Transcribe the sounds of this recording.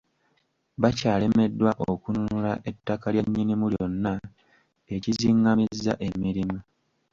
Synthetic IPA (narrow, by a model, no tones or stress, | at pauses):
βacaːle̞me̞dːwaʔokununulaʔetːakalje̞ɲːinimuljo̞nːa | e̞ciziːŋɡamizːa̰ʔe̞miɾima